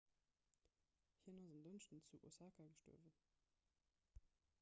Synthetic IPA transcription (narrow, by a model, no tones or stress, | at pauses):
hiːnozənd̪ənʃtən̩t͡suʔṵsakaɡəʃto̰ːvə